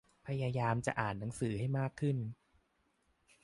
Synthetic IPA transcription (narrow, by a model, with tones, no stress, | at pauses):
pʰa˧jaː˧jaː˧mt͡ɕa̰˨˩ʔaː˨˩nːa˩˦ŋsɯː˩˦ha˥˩jmaː˥˩kʰːɯ˥˩n